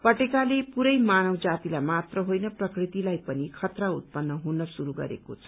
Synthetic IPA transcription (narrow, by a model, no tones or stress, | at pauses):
pʌʈekalepuɾʌjmanʌwd͡zat̪ilajmat̪rʌɦojnʌprʌkrit̪ilajpʌnikʰʌt̪raut̪̚pʌnːʌɦunʌsuɾuɡʌ̰ɾḛkot͡sʰʌ̥